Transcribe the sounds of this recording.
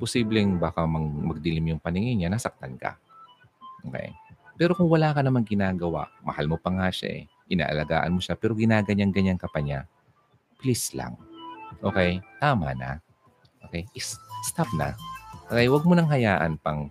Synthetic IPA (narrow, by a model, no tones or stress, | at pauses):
posiːblɛŋbaːkɐmɐmɐɡ̚d̪ɪlɪmjʊŋpɐnɪŋɪɲanasɐk̚t̪ɐnka̰ | ʔoːkɛ̰jpɛːɾo̞kʊŋwɐlaːkɐnɐmaŋɡɪnaːɡɐwa̰ʔmɐ̰halmopɐŋaʃa̰ʔɛ̰ | ʔɪna̰ːʔɐ̰lɐɡaːʔɐnmo̞ʃapɛːɾo̞ɡɪnaːɡɐɲaŋɡɐɲaŋkɐpɐɲa | pɪlɪsla̰ŋʔo̞ːkɛjt̪aːmɐ̰na̰ | ʔoːkɛjʔɪsst̪ap̚nɐ̰ʔokɛjwɐɡ̚monɐŋɦɐjaːʔɐnpɐŋ